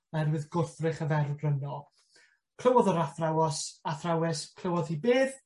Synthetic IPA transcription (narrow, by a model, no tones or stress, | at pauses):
aɛrwɨðɡʊrθrɨχəvɛrdrənɔ | kʰl̥ˠəwɔðɔɾaθrawɔsaθrawɛskʰl̥ˠəwɔðhibeːð